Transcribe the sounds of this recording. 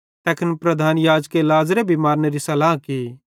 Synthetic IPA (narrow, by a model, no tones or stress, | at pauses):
t̪ɛːkʰənpɾɐd̪ʱaːnjaːd͡ʒkelaːzɾebʱimaːɾneɾisɐlaːɦki